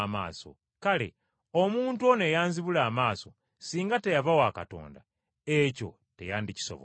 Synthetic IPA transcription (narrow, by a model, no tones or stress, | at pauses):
ma̰ːso̞̰ | kalḛ | omuːntuo̞ne̞ːjaːnziβulaːmaːso̞ | siːŋɡate̞javawaːkato̞̰ːnda | eco̞̰ | te̞jaːndici̥so̰β̰